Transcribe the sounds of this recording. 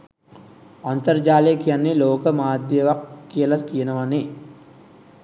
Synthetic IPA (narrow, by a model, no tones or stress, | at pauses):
ɐnt̪ɐɾd͡ʒaːlikijɐnːilɔːkɐmaːd̪jɐʋɐkːijɐlɐkijɐnɐʋɐni